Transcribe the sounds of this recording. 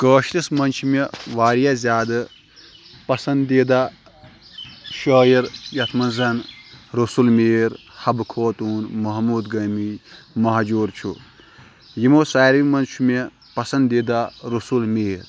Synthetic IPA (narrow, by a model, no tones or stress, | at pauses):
kəːʃlismɐnt͡ʃʰumeʋaːɾjazʲaːd̪ɨ | pɐsɐnd̪d̪ed̪a | ʃəːjiɾjɐt̪ʰmɐnzɐnɾusulmeːɾ | hɐbkʰoːt̪uːnmɐɦmuːd̪ɡɐmimɐɦd͡ʒuːɾt͡ʃʰṵ | jimoːsaːɾʋimɐnt͡ʃʰume | pɐsɐnd̪eːd̪aɾusulmeːɾ